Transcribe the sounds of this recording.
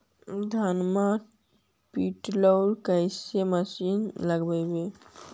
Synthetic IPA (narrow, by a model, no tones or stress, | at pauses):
d̪ʱanma | piʈləwlkəɪseməsinləɡbɛbe